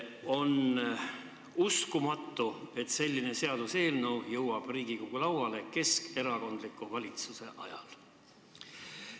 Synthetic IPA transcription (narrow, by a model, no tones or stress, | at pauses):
o̞n | uskumɑt̪ːˑue̞t̪se̞lʲːine̞se̞ɑd̪̥use̞ːlnəwjɤwɑb̥riːɡ̥ikoɡ̥ulɑwwɑle̞ke̞ske̞ɾɑko̞nd̪likːˑuvɑlʲit̪suse̞ʔɑjɑ̰l